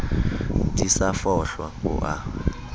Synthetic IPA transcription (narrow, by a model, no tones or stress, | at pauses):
dʱʼisafɔɬwa̰ṵʔa̰